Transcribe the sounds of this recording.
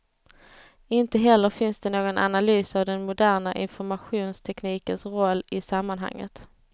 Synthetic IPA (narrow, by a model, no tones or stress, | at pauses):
ɪnt̪əɦɛlːəɾfɪnsd̪ɛnoːɡɔnʔa̰nalyːsavd̪ɛnmʊd̪æːɾɳaʔɪ̰nfɔɾmaɧuːnst̪ʰɛkniːkənsɾɔlːɪsamːanɦa̰ŋːə̰t̪